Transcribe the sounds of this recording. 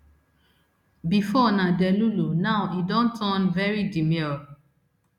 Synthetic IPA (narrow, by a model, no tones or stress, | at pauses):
bifɔnãdɛlulunaʊidɔ̃ntʰɔ̃nvɛɹidimiɔ